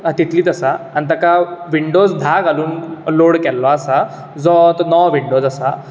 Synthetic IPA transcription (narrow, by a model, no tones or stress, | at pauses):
at̪it̪ʰliːt̪əsaanit̪əkaʋiɳɖod͡zd̪ʱaɡaluːnloɽkɛlːɔasa | d͡zɔt̪nɔʋʋiɳɖod͡zasa